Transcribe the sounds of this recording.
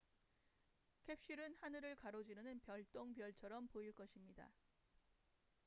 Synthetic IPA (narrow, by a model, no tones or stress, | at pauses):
kʰe̞p̚ɕ͈iɾɯnhanɯɾɯɭkaɾod͡ʑiɾɯnɯnpjʌɭt͈oŋpjʌɭt͡ɕʰʌɾʌmpoiɭk͈ʌɕʰimɲida̰